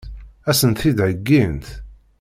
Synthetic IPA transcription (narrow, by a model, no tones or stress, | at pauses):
æsənt̪θid̪ʕəɡːint̪